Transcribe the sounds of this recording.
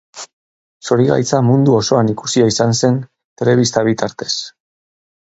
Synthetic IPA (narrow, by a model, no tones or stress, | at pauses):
so̞ɾiɣa̰jt͡samund̪uo̞so̞anikusiaisanse̞n | t̪e̞le̞βist̪aβ̞it̪aɾt̪e̞s